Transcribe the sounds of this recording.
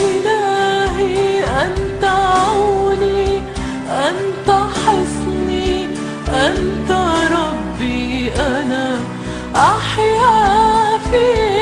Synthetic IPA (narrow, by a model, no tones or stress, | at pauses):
ʔɪlaːhiʔant̪aʕawni | ʔant̪aħɪsˤni | ʔant̪aɾˤɑbːiʔana | ʔaħjafi